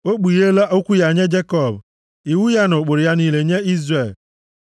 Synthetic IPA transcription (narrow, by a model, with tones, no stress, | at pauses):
o˦k͡pu˨je˦la˦ʔo˦kʷu˦ja˨ɲe˦d͡ʒe˦kɔ˨b | i˨wu˦ja˦nʊ˨k͡pʊ˨ɾja˦niː˦le˨ɲe˦i˦zre˨l